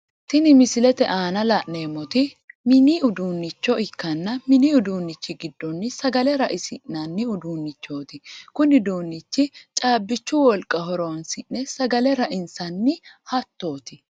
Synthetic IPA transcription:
t̪ɪnɪmɪsɪlɛt̪ɛʔaːnɐlɐʔne̞ːmɔt̪ɪ | mɪniʊd̪uːnːɪt͡ʃːɔɪkːɐnːɐmɪniʊd̪uːnːɪt͡ʃːɪɡɪd̪ːɔnːɪsɐɡɐlɛɾɐʔɪsɪʔnɐnːɪʊd̪uːnːɪt͡ʃːo̞ːt̪ɪkʊnɪd̪uːnːɪt͡ʃːɪt͡ʃʼaːbːɪt͡ʃːʊwɔlkʼːɐɦɔɾoːnsɪnːɛsɐɡɐlɛɾɐʔɪnsɐnːɪhɐt̪ːo̞ːt̪ɪ

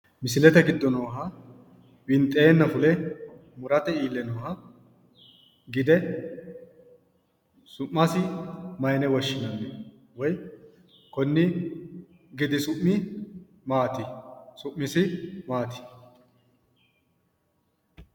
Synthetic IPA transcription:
mɪsɪlɛt̪ɛɡɪd̪ːɔnoːɦɐ | wɪnt̪ʼːeːnːɐfʊlɛmʊɾɐt̪ɛiːlːɛnoːɦɐ | ɡɪd̪ɛ | sʊʔːɐsɪmɐjnɛwɔʃːɪnɐnːɛ | wɔj | kɔnːɪ | ɡɪd̪ɪsʊʔmːɪ | maːt̪ɪsʊʔːɪsɪmaːt̪ɪ̥

